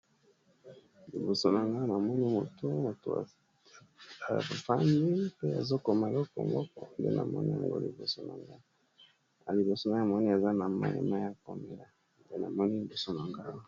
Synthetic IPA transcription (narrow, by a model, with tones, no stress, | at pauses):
li˨bo˨so˨na˨ŋɡa˦na˨mɔ˦ni˦mo˨to˦mo˨to̰˨a̰˨ | fa˦mbi˦pe˦a̰˨zo˦ko˨ma˨lo˦ko̰˨mbɔ˦kɔ˨ndḛ˦nʔa̰˨mɔ̰˦nḭ˦a̰˨ŋɡo̰˦lḭ˨bo̰˨so˨na̰˨ŋɡa˦˨ | li˨bo˨so˨na˨˦a˨mɔ˦ni˦a˨za˦na˨ma̰˦lḛ˨ma˦ja˦ko˨me˨la˨ | nde˦na̰˨mɔ˦ni˦li˨bo˨so˨na˨ŋɡa˦